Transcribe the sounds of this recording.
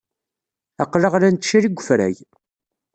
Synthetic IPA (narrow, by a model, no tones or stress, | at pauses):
æqləʁlænt̪ʃiɾiɡʷəfɾæ̰j